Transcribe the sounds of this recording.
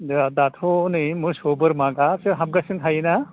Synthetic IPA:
dd̪at̪ʰonɯjmuɾsobɯɾmaɡasɯɦab̚ɡasɯntʰajna

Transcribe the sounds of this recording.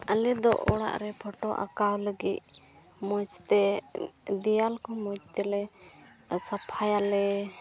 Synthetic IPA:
əlɛd̪ɔʔɔɽa̰ʔɾɛpʰɔʈɔʔa̰kawləɡic̪̚ | mɔt͡ʃt̪ɛ | d̪ijalkɔmɔt͡ʃ̚t̪ɛlɛ | sapʰajalɛ

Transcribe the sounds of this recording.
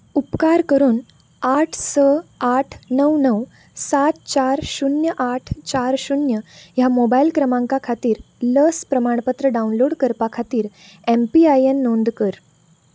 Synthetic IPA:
upkaɾkəɾuːn | aʈʰsəaʈʰnəwnəw | sat̪̚t͡ɕaɾɕunjəʔaʈʰt͡ɕaɾɕunjəjamobailkɾəmãŋkakʰat̪iːɾləspɾəmaɳ̃pət̪ɾəɖaunloɽkəɾpakʰat̪iːɾ | empiajenːõnd̪kəɾ

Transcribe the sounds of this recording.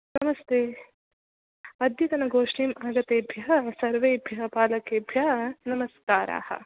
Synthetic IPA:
nɐmɐst̪ʰeː | ɐd̪jit̪ɐnɐɡoːʂɳiːmaːɡɐt̪eːbʱjɐɦɐsɐɾʋeːbʱjɐɦɐpaːlɐkeːbʱjɐnɐmɐskaːɾa̰ːhɐ̰

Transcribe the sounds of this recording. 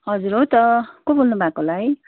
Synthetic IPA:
ɦʌd͡zuɾot̪ʌkobolnubʱakolaj

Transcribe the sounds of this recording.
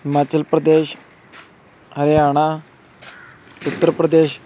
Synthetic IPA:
ɦimat͡ɕəlpɾəd̪eɕ | ɦəɾeaɽ̃a | ut̪ːəɾpɾəd̪eɕ

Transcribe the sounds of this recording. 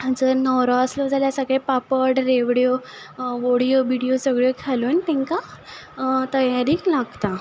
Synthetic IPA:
d͡zəɾnɔɾɔəslod͡zʱaljasəɡɭepapəɽɾeʋɽjo | ʋoɽjoʋiɽijosəɡɭokʰaluːnt̪ɛ̃ŋka | t̪əjaɾiːklaɡt̪a

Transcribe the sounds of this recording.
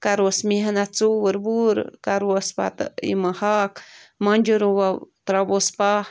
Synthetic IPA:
kaɾosmihanat͡suwəɾbuɾ̰kaɾwospa̰t̪ḭməhakmand͡ʒuɾuwat̪ɾabospa

